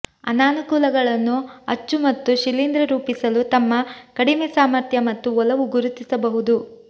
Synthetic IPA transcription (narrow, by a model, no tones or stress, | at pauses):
ɐ̰naːnukuːlɐɡɐɭɐnːuɐt͡ʃːumɐt̪ːuʃilind̪ɾɐɾuːpisɐlut̪ɐmːɐkɐɽimesaːmɐɾt̪ʰjɐmɐt̪ːuɔlɐʋuɡuɾut̪isɐbɐɦud̪u